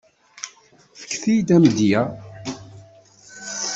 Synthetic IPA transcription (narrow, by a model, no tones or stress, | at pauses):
fə̥kːθijd̪æmd̪jæ